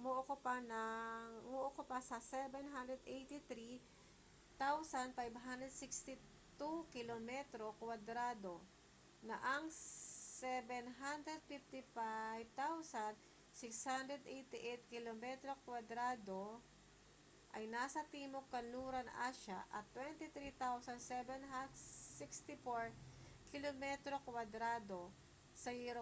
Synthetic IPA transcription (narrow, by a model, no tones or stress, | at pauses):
moʔokopanɐmoʔokopasɐsɛbɛnɦand̪ɾɛd̪ʔejt̪ɪt̪ɾi | t̪awsɐnpajbɦand̪ɾɛd̪̚sɪkst̪ɪ | t̪ukɪlomɛt̪ɾokwad̪ɾad̪o | nɐʔɐŋsɛbɛnɦand̪ɾɛd̪̚fɪft̪ɪfajvt̪awsɐnd̪ | sɪkshand̪ɾɛd̪ʔɛjt̪ɪʔɛjt̪̚kɪlomɛt̪ɾokwɐd̪ɾaːd̪o | ʔɐjnaːsɐt̪iːmokːɐnluːɾɐnʔaːʃaʔɐt̪ːwɛnt̪ɪt̪ɾit̪awsɐnsɛbɛnɦad̪sɪkst̪ɪfoɹkɪlomɛt̪ɾokwɐd̪ɾaːd̪o | sɐjiɾo